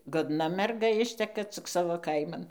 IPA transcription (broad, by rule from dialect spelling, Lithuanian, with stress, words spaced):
ɡoːdˈnɐ mʲɛrˈɡɐ ˈɪʃʲtʲɛkɐ t͡sʲɪk ˈsɑːʋoː ˈkɐɪmɐn